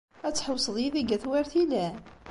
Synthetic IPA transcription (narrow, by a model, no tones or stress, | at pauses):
æt͡sːħəwsˤəðˤjiðiɡæθwæɾθilæ